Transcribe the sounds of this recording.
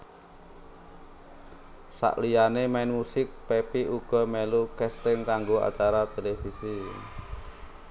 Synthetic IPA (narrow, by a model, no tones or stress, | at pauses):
sa̰ʔlijanemɛnmusɪk̚pepiuɡ̥ɔ̤melukɛst̪ɪŋkaŋɡoa̰t͡ʃaɾat̪elefisi